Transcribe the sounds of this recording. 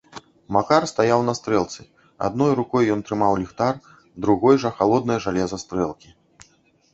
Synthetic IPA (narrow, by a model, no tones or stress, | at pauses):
makarst̪ajawnɐst̪ɾɛlˠt̪sɨ | a̰d̪nɔjɾukɔjːɔnt̪ɾɨmawlʲixt̪ar | d̪ɾuɣɔjʐɐxalˠɔd̪nɐjɐʐalʲɛzɐst̪ɾɛlˠkʲi